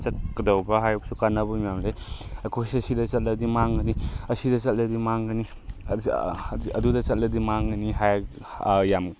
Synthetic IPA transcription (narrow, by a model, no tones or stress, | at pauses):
t͡ʃɐkːɐdɔwbɐɦajuk̚sukanɐbɐmijamzajɐkʰosɐsidɐt͡ʃɐt̚lɐdimaŋɡɐniɐsidɐt͡ʃɐt̚lɐdimaŋɡɐni | ɐdudɐt͡ʃɐt̚lɐdimaŋɡɐniɦaj | jam